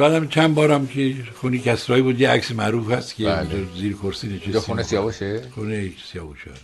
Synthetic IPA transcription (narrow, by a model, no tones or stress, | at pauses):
bæːd̪æmt͡ʃʰænbɒːɾæmkʰexunikʰæsɾɒːibuːd̪jeæksemæɾuːfhæskʰeeziːɾkʰoɾsiːneʃʰeesunesijɒbuʃexunesijɒːbuʃæ̰